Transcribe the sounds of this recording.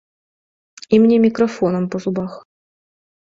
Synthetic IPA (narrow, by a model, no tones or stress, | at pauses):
imnʲemʲɪkrofonə̆mpozubɑχ